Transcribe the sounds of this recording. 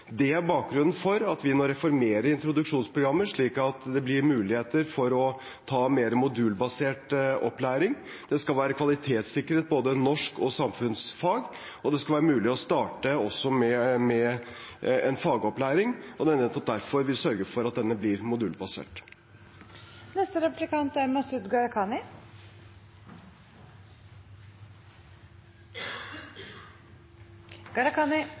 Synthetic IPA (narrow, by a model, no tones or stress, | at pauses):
d̪ɛæɾbɑːk̚ɡɾʉnːn̩fɔɾɑt̪ʰʋɪnoːɾɛfɔɾmeːɾəɾɪnt̪ɾʊd̪ʉkʂuːnspʰɾʊɡɾɑmːəʂɭiːkɑt̪d̪ɛblɪɾmʉːlɪheːt̪əɾfɔɾɔ | t̪ʰɑːmeːɾəmʊd̪ʉːlbɑseːʈɔ̰plæːɾɪŋ | d̪̥ɛskɑlʋæːɾəkʰʋɑlɪt̪ʰeːt̪sɪkːəɾeːt̪̚boːd̪ənɔʂkɔsɑmfʉnsfɑːɡ | ɔd̪ɛskɑlʋæːɾəmʉːlɪɔst̪ɑːʈəɔsːɔmɛmɛ | ɛnfɑːɡəɔplæːɾɪŋɔd̪ɛɛnət̪ʰɑt̪̚d̪æɾfɔɾʋɪsœɾɡəfɔɾɑt̪̚d̪ɛnːəblɪɾmʊd̪ʉːlbɑsḛːʈ | nɛst̪əɾɛpplɪkɑnt̪æɾmɑsʉd̪ɡɑɾɑkʰɑːnɪ | ɡ̥ɑɾɑkɑnɪ